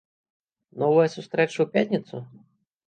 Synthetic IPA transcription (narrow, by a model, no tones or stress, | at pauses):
nɔvɐjɐsust̪ɾɛt͡ʂɐwpʲatʲnʲɐt̪su